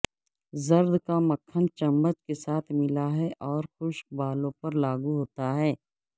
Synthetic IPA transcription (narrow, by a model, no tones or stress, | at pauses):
zɐɾd̪kaməkʰːənt͡ʃɐmːət͡ʃkesaːt̪ʰmɪlaɦɛʔɔːɾxʊʃkbaːlõpɐɾlaːɡuɦoːt̪aɦɛː